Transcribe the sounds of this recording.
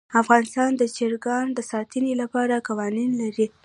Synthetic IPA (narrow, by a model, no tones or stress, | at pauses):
afɣɑnɪst̪ɑnd̪ət͡ʃeɾɡɑnd̪əsɑt̪ənilapɑɾakawɑninlaɾi